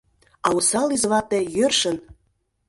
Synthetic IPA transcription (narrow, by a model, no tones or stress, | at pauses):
ɑusɑlizβɑt̪ĕjørʃən